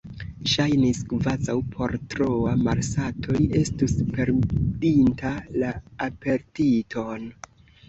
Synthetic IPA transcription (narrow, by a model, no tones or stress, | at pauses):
ʃajniskvazawpʰo̞ɾtɾoamaɾsatʰo̞je̞stuspe̞ɾdintʰalaːpe̞ɾtitʰo̞n